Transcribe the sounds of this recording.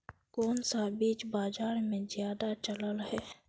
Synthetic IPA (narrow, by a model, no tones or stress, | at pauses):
koːnsabiːt͡ʃbaːd͡ʒaːɾmẽzjaːd̪at͡ʃələlɦɛː